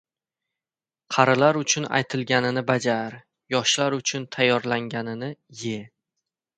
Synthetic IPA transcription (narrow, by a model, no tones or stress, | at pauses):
qʰɑɾɪlaɾʊt͡ʃʰʊna̰jt̪ʰɪlɡʲanɪnɪbad͡ʒaɾ | jɒʃlaɾʊt͡ʃʰʊnt̪ʰajːɒɾlaŋɡʲanɪnɪje